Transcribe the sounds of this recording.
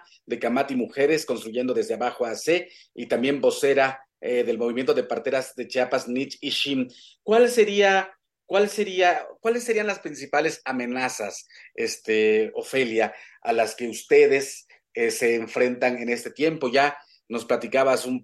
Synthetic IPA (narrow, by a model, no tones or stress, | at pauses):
d̪e̞kamat̪imuxe̞ɾe̞sko̞nst̪ɾuʝend̪o̞ðe̞zðeaβaxoase | it̪ambje̞mbo̞se̞ɾa | eðe̞lmo̞β̞imje̞nt̪o̞ðe̞paɾt̪e̞ɾazðe̞t͡ʃapaznit͡ʃiʃim | kwalse̞ɾia | kwalse̞ɾiakwalesːe̞ɾianlaspɾinsipale̞samẽ̞nasasest̪eofe̞ljaa̰laske̞ust̪e̞ðe̞s | ese̞ːɱfɾe̞nt̪aŋe̞ne̞st̪e̞t̪je̞mpo̞ʝa | no̞splat̪ikaβasum